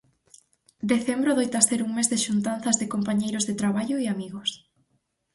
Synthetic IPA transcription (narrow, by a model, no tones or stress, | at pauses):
d̪eθembɾoðojt̪aseɾuŋmezðɪʃunt̪anθɐzðɪkompaɲejɾozðet̪ɾaβaʎoiamiɣos